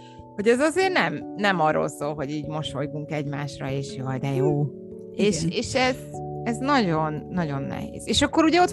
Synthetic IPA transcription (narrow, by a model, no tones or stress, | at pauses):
ho̞ɟɛzɒzeːrnɛmnɛmɒrːo̰lsoːlɦo̞ɟiːɟmoʃo̞jɡuŋkɛɟmaːʃrɒeːʃjoːd̪ɛjoː | eːʃeːʃɛzɛznɒɟo̞nːɒɟo̞nːɛ̰ɦḛːz̥eːʃɒkːoɾuɟɛo̞t̪